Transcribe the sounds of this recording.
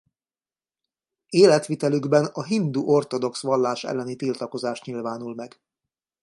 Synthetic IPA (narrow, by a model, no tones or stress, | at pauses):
eːlɛt̪ʋit̪ɛlyɡbɛnɒɦind̪uːʔo̞rt̪o̞d̪o̞ksʋɒlːaːʃɛ̰lːɛnit̪ilt̪ɒko̞zaːʃt̪ɲilvaːnulmɛɡ